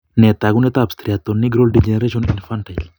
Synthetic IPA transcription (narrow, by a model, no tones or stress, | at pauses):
net̪aɡunet̪apst̪ʰɾijat̪ːoniɡɾolɖid͡ʒɛneɾeʃonḭnfanʈajl